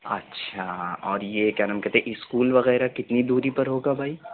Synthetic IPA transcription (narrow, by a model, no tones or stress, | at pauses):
ɐ̰tːʃʰaɔːɾjekɛnəmkɐt̪ẽʔɪskuːlʋɐɣɛːɾakɪt̪nid̪uːɾipɐɾɦoːɡabʱaːi